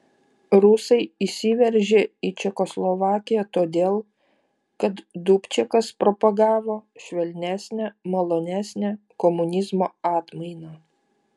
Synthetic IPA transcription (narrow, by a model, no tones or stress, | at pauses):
ɾʊsɐɪisʲiʋʲɛɾʲʒʲeiːt͡ʃʲɛkɔslˠɔʋɑːkʲɪjæt̪oːd̪ʲeːlˠ | kɐt̪d̪upʲt͡ʃʲɛkɐspɾɔpɐɡɑːʋoːʃʲʋʲɛlʲnʲæsʲnʲæmɐlˠoːnʲæsʲnʲæ | kɔmʊnʲɪzmoːɑːt̪mɐɪnaː